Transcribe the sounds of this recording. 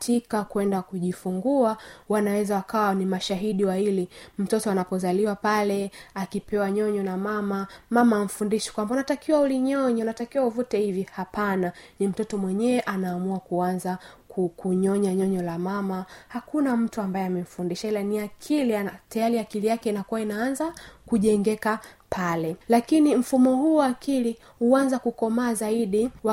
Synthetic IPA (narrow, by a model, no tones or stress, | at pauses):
tʰikakwɛndakuʄifuŋɡuawanawɛzawakawanimaʃaɦiɗiwailim̩tɔtɔanapɔzaliwapalɛakipɛwaɲɔɲɔnamamamamaːm̩fundiʃɛ̥kwambaunatakiwauliɲɔɲɔunatakiwauvutɛhivihapananim̩tɔtɔmwɛɲɛːʔanaːmuakuanzakukuɲɔɲaɲɔɲɔlamamahakunam̩tuambajɛamɛm̩fundiʃailaniakʰiliatajaɾiakilijakɛinakuwainaanzakuʄɛŋɡɛkapʰalɛlakinim̩fumɔhuːwaːkili | huanzakukɔmaːzaiɗiwa